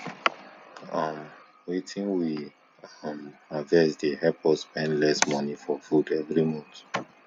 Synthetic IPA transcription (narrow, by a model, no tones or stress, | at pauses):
ʌm | wetʰĩŋwi | mavɛsdehɛpʰɔspɛ̃ndlɛsmɔnifɔfudɛvɹimɔ̃nt